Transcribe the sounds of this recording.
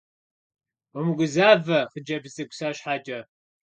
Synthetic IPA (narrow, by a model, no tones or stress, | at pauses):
ʊmɨɡʷʊzaːvɐχəd͡ʒɐbzʼɨɡʷsaːɕħaːt͡ʃʼɐ